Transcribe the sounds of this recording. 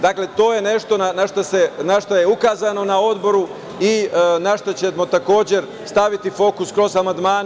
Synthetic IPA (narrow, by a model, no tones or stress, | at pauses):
d̪akle̞t̪o̞ːje̞ne̞ʃt̪o̞nanaʃt̪asenaʃt̪ojeukaːzano̞nao̞d̪bo̞ɾu | inaʃt̪ot͡ɕemo̞t̪ako̞ːd͡ʑe̞ɾ | st̪aʋit̪ifo̞ːkuskɾo̞zamand̪maːn